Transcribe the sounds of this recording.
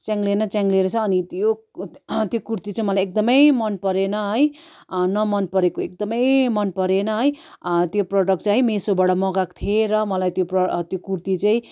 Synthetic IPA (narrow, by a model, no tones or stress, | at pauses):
t͡sjãŋɡlenʌt͡sãŋɡleɾʌt͡sʰʌːnit̪jo | t̪jokurt̪it͡saĩmʌlajek̚d̪ʌmʌjmʌnpʌɾenʌɦʌj | nʌmʌnpʌɾekoek̚d̪ʌmʌjmʌnpʌɾenʌɦʌjt̪joproɖʌkʈt͡saɦĩmesobaɽʌmʌɡakt̪ʰieɾʌmʌlajt̪joprʌt̪jokuɾt̪it͡saĩ